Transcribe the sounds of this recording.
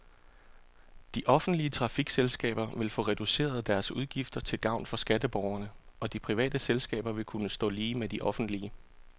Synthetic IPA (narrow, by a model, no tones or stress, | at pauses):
d̥iʔɒ̽fn̩d̥liət͡sʰʁɑ̈fiɡ̥selsɡ̥ɛ̰ːb̥ɐʋe̝lfɔ̽ʁɛd̥use̝̰ːɐð̞ˠd̥æɐsuð̞ˠɡ̥ifd̥ɐt͡sʰe̝lɡ̥ɑ̈ʊ̰nfɒ̽sɡ̥æd̥əb̥ɒʊɐnəɒ̽d̥ipʰʁiʋɛ̰ːd̥əselsɡ̥ɛ̰ːb̥ɐʋe̝lkʰunəsd̥ɔ̰̽ːliːmed̥iʔɒ̽fn̩d̥liə